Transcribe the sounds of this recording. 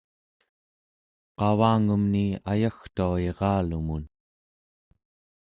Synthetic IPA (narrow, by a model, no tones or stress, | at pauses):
qɑvaːŋumniajaxt̪uaeʁɑːlumun